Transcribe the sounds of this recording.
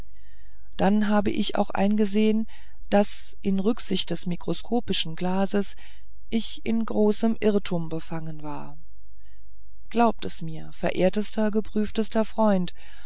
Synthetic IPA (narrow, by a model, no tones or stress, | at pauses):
d̥anɦaːbəʔɪça̰ʊxʔa̰ɪnɡəzeːən | d̥as | ʔɪnʁʏkz̥ɪçt̚d̥ɛsmikʁ̥oskʰoːpɪʃn̩ɡlaːzəs | ʔɪç | ɪnɡʁoːsəmʔɪʁtʰumbəfaŋənvaːɐ | ɡ̥laʊp̚tɛsmiːɐfɛɐʔeːɐtəstɐɡəpʁ̥yːftəstɐfʁ̥ɔʏnt